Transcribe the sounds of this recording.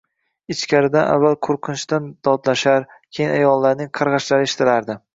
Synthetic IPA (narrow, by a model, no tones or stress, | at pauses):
ɪt͡ʃkʲʰaɾɪd̪anʔa̰vːalˠqʰoɾqʰɨnɪʃd̪and̪̥ɒd̪laʃaɾ | kʲʰejɪnajɒlˠːaɾnɪŋqʰɑɾʁɑʃlaɾɪeʃɪ̥t̪ʰɪlaɾd̪ɪ